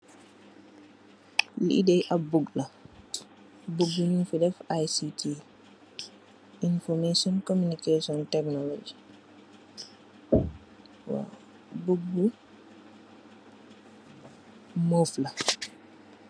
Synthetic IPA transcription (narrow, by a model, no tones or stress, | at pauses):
liidɛjʔabuɡla | buɡːuninfidɛfajsitʰi | ʔinfɔɾmesiɔnkomunikesiɔntɛknɔlod͡ʒi | wa̰ | buɡːu | mɔfla